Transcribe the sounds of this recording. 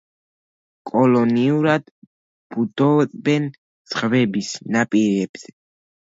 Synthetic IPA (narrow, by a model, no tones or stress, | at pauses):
kʼɔlɔniuɾad̪ | b̥ud̪ɔbɛn | sχvɛbisnapʼiɾɛb̥z̥ɛ